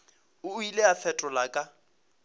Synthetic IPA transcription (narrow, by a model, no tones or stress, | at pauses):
ʊileafɛtʼɔlakʼa